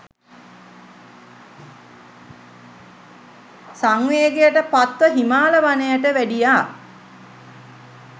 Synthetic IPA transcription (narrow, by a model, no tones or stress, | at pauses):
saŋʋeːɡejəʈəpat̪ʋəɦimaːləʋanəjaʈəʋæɖijaː